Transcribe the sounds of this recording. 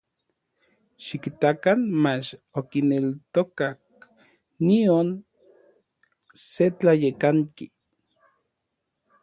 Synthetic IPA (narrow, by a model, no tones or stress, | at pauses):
ʃikit̪akanmat͡ʃokinelt̪okak̚ | nion | set͡ɬajekaŋki